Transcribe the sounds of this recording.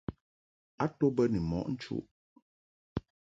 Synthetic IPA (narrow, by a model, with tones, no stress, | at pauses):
a˦to˦bə˦ni˨mɔ̰˨ʔn̩˦t͡ʃṵ˦ʔ